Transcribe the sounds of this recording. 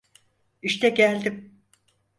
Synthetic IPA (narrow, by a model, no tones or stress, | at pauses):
iʃt̪ɛɟælʲd̪im